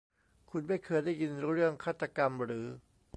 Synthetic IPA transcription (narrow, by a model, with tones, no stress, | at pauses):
kʰu˧nma˥˩jkʰɤː˧jdaː˥˩jːi˧nɾɯ˥˩əŋkʰaː˥˩t̪ːa˧ka˧mɾɯː˩˦